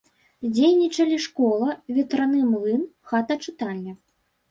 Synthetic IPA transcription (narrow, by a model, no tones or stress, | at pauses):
d͡zʲejnʲit͡ʂɐlʲiʂkɔlˠɐvʲɛt̪ɾanɨmlˠɨnxat̪ɐt͡ʂɨt̪alʲːi